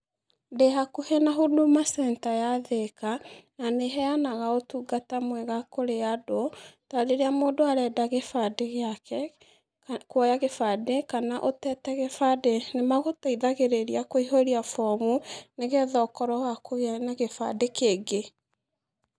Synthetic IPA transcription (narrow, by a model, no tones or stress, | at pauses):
deɦakuhenaɦodomasɛːntajaðekananeɦɛanaɣaotuɡatamwɛɣakoɾeadotaɾeɾeamoːdoaɾɛːdaɣefadeɣeakɛ | kwɔjaɣefadekanaʔotɛtɛɣefadenemaɣotaiðaɣeɾeɾiakoiɦoɾiafɔmuneɣɛðɔːkɔɾɔwakoɣnaɣefa̰dekeːɡe